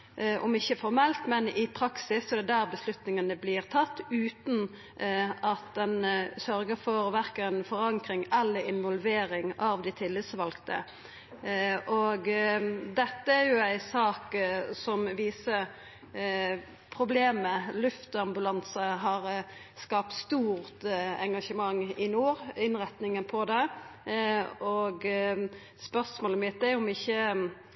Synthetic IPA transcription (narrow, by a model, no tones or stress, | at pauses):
ʔɔmɪçːəfɔɾmɛlt̪mɛnɪpʰɾɑksɪsːɔd̪ɛd̪æːɾbəslʉt̪nɪŋɑnəblɪʁt̪ʰɑt̪ːʉːt̪n | ɑt̪d̪ɛnsœɾɡəfɔɾʋæɾkəɛnfɔɾɑŋkɾɪŋɛlːəɾɪnʋɔlʋeːɾɪŋɑʋd̪ɪt̪ʰɪlːɪt̪sʋɑlkt̪ə̰ | ʔoɡd̪ɛt̪ːəæjʊæɪsɑːksɔmʋiːsəɾ | pʰɾʊbleːməlʉft̪əɑmbʉlɑnsəɦɑɾ | skɑːp̚t̪st̪uːʁt̪ɛŋɡɑʂəmɑŋːɪnuːɾɪnɾɛt̪nɪŋənpʰɔd̪ɛ | ɔɡ | spœʁsmoːləmɪt̪ːæɾʊmɪçːə